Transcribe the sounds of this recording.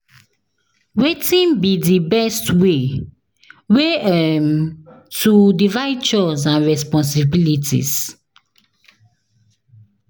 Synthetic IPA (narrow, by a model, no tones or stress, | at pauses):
wetĩnbidibɛstwe | weɛm | tudivaɪd̚t͡ʃɔsãnɹɛspɔ̃ns̬ibilitḭs